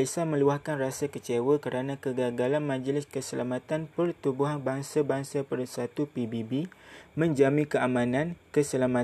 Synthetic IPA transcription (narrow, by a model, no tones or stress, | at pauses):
isamə̃luahkanrasakət͡ʃewəkəɾanãkəɡaɡalanmãd͡ʒəlɪskəsəlamãt̪anpərt̪ubuɦanbaŋsabaŋsapərsat̪upibibimə̃ɲd͡ʒamĩkəamãnãnkəsəlama